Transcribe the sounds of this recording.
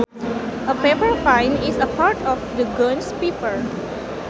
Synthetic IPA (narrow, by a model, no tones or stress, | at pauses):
ʔəpepəɹfãjnɪsəpaɹʈɔfd̪əɡə̃nspipəɹ